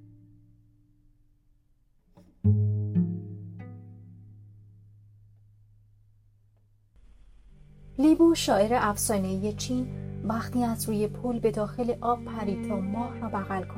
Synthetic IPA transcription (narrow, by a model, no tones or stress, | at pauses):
liːbuːʃɒːe̞ɾeʔæfsɒːneije̞t͡ʃʰiːnvæxt̪ʰiːæzɾuːje̞pʰulbe̞d̪ɒːxe̞leʔɒːb̚pʰæɾiːt̪ʰɒːmɒːhrɒːbæɣælkʰo